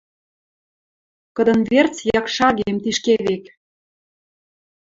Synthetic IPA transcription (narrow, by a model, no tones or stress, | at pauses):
kə̆d̪ɤ̆nβert͡sjɑkʃɑɣemt̪iʃkeβek